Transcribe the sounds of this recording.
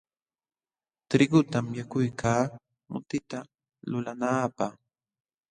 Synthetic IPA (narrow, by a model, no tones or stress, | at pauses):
t̪ɾɪɡʊt̪amjakʊjkʰaː | mʊ̰t̪ɪt̪a | lʊlanaːpaχ